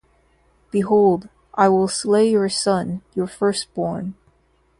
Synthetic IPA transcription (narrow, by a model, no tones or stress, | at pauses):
b̥iɦoʊlˠd | ʔaɪwɪlˠsleɪjə˞sʌ̃njə˞fɜ˞st̚b̥ɔɹn